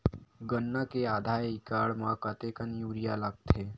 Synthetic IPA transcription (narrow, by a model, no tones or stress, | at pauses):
ɡənːakeaːd̪ʱaːjikaːɽmãkət̪ekənjuːɾijaləɡ̚t̪ʰeː